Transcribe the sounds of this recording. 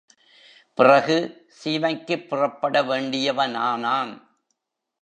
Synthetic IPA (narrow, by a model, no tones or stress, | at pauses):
pɪrɐɣɯsiːʋɐɪkːɯpːɪrɐpːɐɽɐʋeːɳɖɪjɐʋɐnaːnaːn